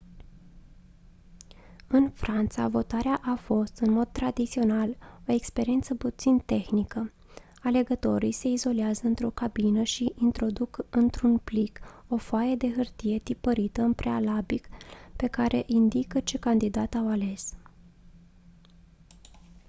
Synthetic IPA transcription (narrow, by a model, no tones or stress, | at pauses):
ɨnfɾant̪sa̰vo̞t̪aɾeaʔafo̞st̪ɨnmo̞d̪̚t̪ɾad̪it̪sio̞nalo̞e̞kspe̞ɾie̞nt̪səput̪sint̪e̞xnikə | ale̞ɡət̪o̞ɾijse̞izo̞leazəɨnt̪ɾo̞kabinəʃiʔint̪ɾo̞d̪ukɨnt̪ɾunpliko̞foajed̪e̞ɦɨrt̪ije̞t̪ipəɾit̪əɨmpɾealabikpe̞kaɾʔe̞ʔind̪ikət͡ʃe̞kand̪id̪at̪awale̞s